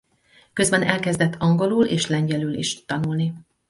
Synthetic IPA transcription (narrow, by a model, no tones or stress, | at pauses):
kø̞zbɛnɛlkɛzd̪ɛt̪ʰːɒŋɡo̞luleːʃlɛɲɟɛlyːlḭʃɒnulni